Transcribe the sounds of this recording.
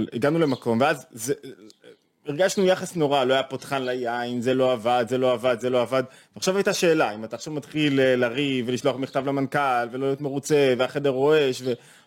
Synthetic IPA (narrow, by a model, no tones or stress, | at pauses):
liɡanule̞mako̞mveazze | iʁɡaʃnujaχasno̞ʁaloajapotχanlajainzelo̞avad̪ze̞loavad̪zelo̞avad̪ | veaχʃavajt̪aʃe̞ːlaimat̪aːχʃavmat̪χileːaʁiveliʃlo̞aχmiχt̪avlamankalveloajo̞t̪me̞ʁut͡seveaχe̞deʁo̞e̞ʃve̞